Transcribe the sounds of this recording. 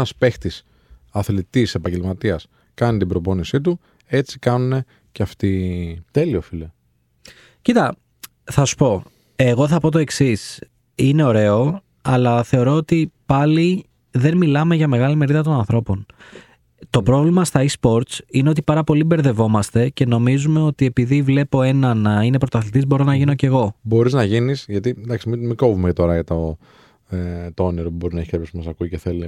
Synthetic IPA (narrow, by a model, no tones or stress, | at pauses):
ɐspext̪is | ɐθlit̪ise̞pɐɲɟelmɐt̪iɐs | kɐnit̪ibɾo̞po̞nisit̪̬u | e̞t͡si̥kɐnune̞ | ceɐft̪it̪e̞lio̞file | cit̪ɐ | θɐsu̥po̞ | e̞ɣo̞θɐpo̞t̪o̞e̞ksis | ine̞o̞ɾe̞o̞ | ɐlɐθe̞o̞ɾo̞ot̪ipɐli | ðe̞nmilɐme̞ʝɐme̞ɣɐlime̞ɾiðɐt̪o̞nɐnθɾo̞po̞n | t̪o̞pɾo̞vlimɐst̪ɐispo̞ɾt̪sine̞o̞t̪̬ipɐɾɐpo̞libe̞ɾðe̞vo̞mɐst̪e̞ce̞no̞mizume̞o̞t̪ie̞piðivle̞po̞e̞nɐnɐine̞pɾot̪ɐθlit̪izbo̞ɾo̞nɐʝino̞ce̞ɣo̞bo̞ɾiznɐʝinisʝɐt̪ind̪ɐksimimikovumecet̪o̞ɾɐjɐt̪o | et̪ooneɾopubo̞ɾinɐeçepesipmɐsɐkuiceθel